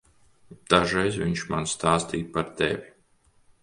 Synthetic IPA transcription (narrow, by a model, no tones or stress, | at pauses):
d̪̥aʒɾɛjzviɲʃmanst̪aːst̪iːjpaɾt̪ḛvʲi